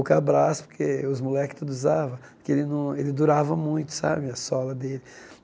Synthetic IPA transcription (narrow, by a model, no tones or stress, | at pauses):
kabɾasʊ̥poɾkeʊzmulɛkɪ̥st̪ud̪ʊzavɐpkeelɪnɐ̃w̃elɪd̪uɾavɐmũj̃t̪ʊ̥sa̰bɪɐsɔlɐd̪elɪ